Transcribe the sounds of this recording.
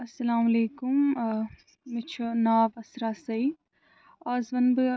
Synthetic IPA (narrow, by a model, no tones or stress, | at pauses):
ɐsːɐlaːmɐleːkum | mɪt͡ʃʰunaːbɐsɾaːsɐi | aːzʋɐnbɨ